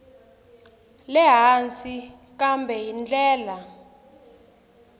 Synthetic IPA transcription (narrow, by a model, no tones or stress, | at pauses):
lɛɦant͡si | kambʱɛɦind͡ɮɛːla